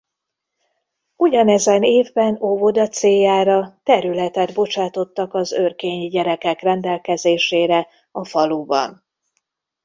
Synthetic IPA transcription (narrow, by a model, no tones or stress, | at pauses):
uɟɒnɛzɛneːvbɛnovo̞d̪ɒt̪seːjːaːɾɒt̪ɛɾylɛt̪ɛd̪bo̞t͡ʃaːt̪o̞t̪ːɒkɒzørkeːɲiɟɛɾɛkɛkrɛnd̪ɛlkɛzeːʃeːɾɛ | ɒfɒlubɒ̰n